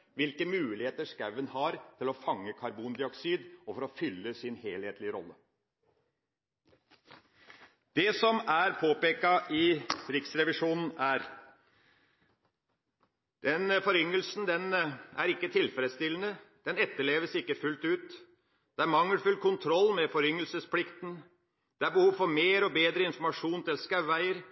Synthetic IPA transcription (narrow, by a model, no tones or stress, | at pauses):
ʋɪlkəmʉːlɪheːt̪əʂkɑʉənhɑɾt̪ʰɪlɔfɑŋːəkʰɑɾbuːnd̪ɪɔksiːd̪ɔfɔɾɔfʏlːəsɪnheːlheːt̪lɪəɾɔ̰lːə | d̪̥ɛsɔmæɾpʰoːpeːkɑʔɪɾɪksɾɛʋɪʂuːnn̩æɾ | d̪̥ɛnfɔɾʏŋːəlsn̩d̪ɛnæ̰ɾɪkːət̪ʰɪlfɾɛd̪st̪ɪlən̩əd̪̥ɛnɛt̪ːəɭeːʋəsɪkːəfʉlt̪ʉːt̪ | d̪̥ɛæɾmɑŋːəlfʉlkʰʊnt̪ʰɾɔlːmɛfɔɾʏŋːəlsəsplɪkt̪n̩ | d̪̥ɛæɾbəhuːʋfɔɾmeːɾɔbeːd̪ɾəɪnfɔɾmɑʂuːnt̪ɪlskæʋːæɪəɾ